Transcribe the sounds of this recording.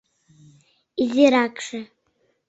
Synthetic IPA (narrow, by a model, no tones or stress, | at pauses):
iziɾakʰʼʂa